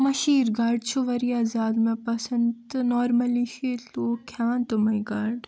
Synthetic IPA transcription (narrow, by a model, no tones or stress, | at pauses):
mɐʃiːɾɡaːɾɖt͡ʃʰuʋɐɾiaːzaːd̪mẽpɐsɐnd̪nɔːɾmɐliʃiloːkʰjaːnt̪umɐiɡaːɾɖ